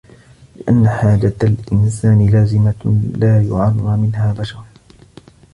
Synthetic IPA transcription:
lɪʔa̰nːaħaːd͡ʒaalʔɪnsaːnɪlaːzɪmalaːjʊʕanaːmɪnhaːbaʃɑɾˤ

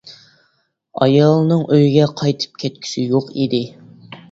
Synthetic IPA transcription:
ɑ̰jɑlˠnɨŋʔøjiɡʲɛqʰɑjt̪ʰɨ̥p̚kʲʰɛt̪̚kʲʰi̥sɪjoqid̪ɪ

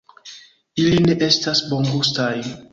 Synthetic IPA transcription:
iline̞ʔe̞stasbo̞ŋɡustaj

